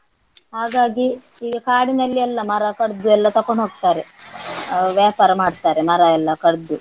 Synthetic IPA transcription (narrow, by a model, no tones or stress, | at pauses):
haːɡaːɡi | iːɡɐkaːɽinɐlːiɛlːɐmɐɾɐkɐɽd̪uɛlːɐt̪ɐkoɳɦoːɡ̚t̪aːɾe | ʋjaːpaːɾɐmaːɖt̪aːɾemɐɾɐɛlːɐkɐɽd̪u